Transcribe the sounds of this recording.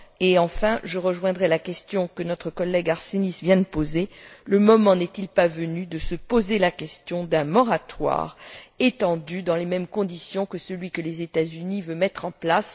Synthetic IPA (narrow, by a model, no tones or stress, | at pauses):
eɑ̃fɛ̃ʒəʁəʒwɛ̃d̪ʁɛlakʲɛst̪jɔ̃kənɔt̪χəkɔlːɛɡaʁsenisvjɛ̃d̪əpozeləmɔmɑ̃nɛt̪ilpavənyd̪əsəpozelakʲɛst̪jɔ̃d̪ɛ̃mɔʁat̪wa̰ʁet̪ɑ̃d̪yd̪ɑ̃lemɛmkɔ̃d̪isjɔ̃kəsəlɥikəlezet̪azynivømɛt̪χɑ̃plas